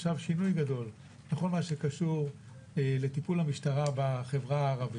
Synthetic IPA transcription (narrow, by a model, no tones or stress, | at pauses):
ʃavʃinujɡad̪o̞l | leχo̞lmaʃekaʃuʁ | ele̞t̪ipulhamiʃtaʁabaχe̞vʁaːʁavi